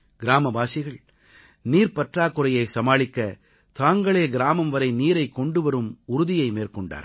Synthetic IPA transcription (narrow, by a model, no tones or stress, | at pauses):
ɡ̥ɪɾaːmɐbaːsɪɣɐɭ | niːɾpɐʈraːkːɯɾɐjɐɪsɐmaːɭɪkːɐ | t̪aːŋɡɐɭeːɡɪɾaːmɐmʋɐɾɐɪniːɾɐɪkːɔɳɖɯʋɐɾɯmʊɾʊðɪjɐɪmeːɾkɔɳɖa̰ːɾ